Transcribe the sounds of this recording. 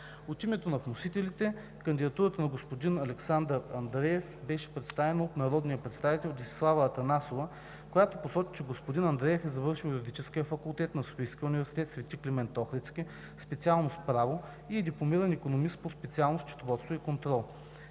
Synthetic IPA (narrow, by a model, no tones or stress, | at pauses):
ot̪imɛt̪onɐfnosit̪ɛlit̪ɛ | kənd̪id̪ɐt̪uɾət̪ənɐɡospod̪inɐlɛksand̪əɾɐnd̪ɾɛjɛfbɛʃɛ̥pɾɛt̪st̪avɛnəot̪nɐɾɔd̪nijəpɾɛt̪st̪avit̪ɛlʲˠd̪isi̥slˠavɐt̪ɐnasovə | kojat̪oposɔt͡ʃi̥t͡ʃɛɡospod̪inɐnd̪ɾɛjɛfɛzɐvɤɾʃilˠjuɾʲid̪it͡ʃɛskʲijəfɐkulˠt̪ɛt̪nɐso̥fijskʲiəunivɛɾsi̥t̪ɛt̪svɛt̪ʲiklʲɛmɛnt̪ɔxɾɛt̪sk̟i | spɛt̪sialˠnospɾavo | iɛd̪iplˠomiɾənikonomist̪pospɛt̪sialˠnost͡ʃɐ̥t̪ovɔt̪st̪voikont̪ɾɔlˠ